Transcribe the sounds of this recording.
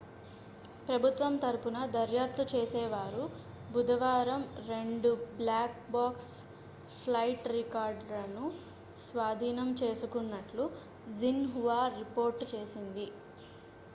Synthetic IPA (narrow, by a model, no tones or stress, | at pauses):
pɾɐbʱut̪ʋɐmt̪ɐɾupunɐd̪ɐɾjaːp̚t̪ut͡ʃe̞ːsɛːʋaːɾu | bud̪ɐʋaːɾɐmɾe̞ɳɖublaːk̚baːks | pʰlɐjʈɾikaːɾɖlɐnu | sʋaːd̪ʱiːnɐmt͡ʃe̞ːsukunːɐʈlu | zinɦuʋaːɾipo̞ːɾʈt͡ʃe̞ːsind̪i